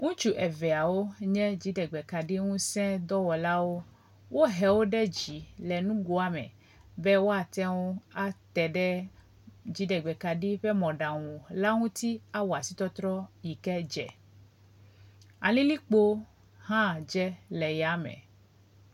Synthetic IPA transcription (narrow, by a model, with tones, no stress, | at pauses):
ŋũ˦t͡ʃu˦ʔɛ˨vɛ˨a˨wo˦ɲɛ̃˦d͡ʑi˨ɖɛ˨ɡ͡bɛ˨ka˨ɖi˦ŋũ˦sɛ̃˦d̪ɔ˦wɔ˨la˦wo˦ | wʔo˦ɦɛ˨wo˦ɖɛ˦d͡ʒi˨lɛ˨nũ˦ɡu˦a˨mɛ̰̃˨ | bɛ˦wo˦a˨t̪ɛ˦ŋũ˦a˦t̪ɛ˨ɖɛ˦ | d͡ʑi˨˦ɖɛ˨ɡ͡bɛ˨ka˨ɖi˦ɸɛ˦mɔ̃˨ɖa˨ŋũ˨la˦ŋũ˦t̪i˦a˦wa˨si˦t̪ɔ˦t̪ɾɔ˦ji˨kɛ˦d͡ʒɛ̰˨ | a˨lĩ˦li˦k͡po˦ | hã˦˨d͡ʒɛ˦lɛ˨ja˨˦mɛ̰̃˨